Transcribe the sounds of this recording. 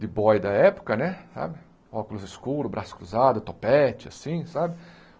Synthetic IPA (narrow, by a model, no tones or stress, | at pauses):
d̪ɪbɔjd̪ɐɛpʊ̥kɐnɛsa̰bɪ | ɔkʊlʊzɪskuɾʊbɾʔasʊ̥kɾuzad̪ʊt̪opɛt͡ʃɪasĩsabɪ